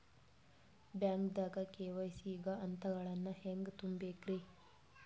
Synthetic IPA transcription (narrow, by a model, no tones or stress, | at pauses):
bjaːŋkd̪aːɡɐkeːʋɐjsiːɡɐɐnt̪ɐɡɐɭɐnːɐheŋɡt̪umbeːkɾi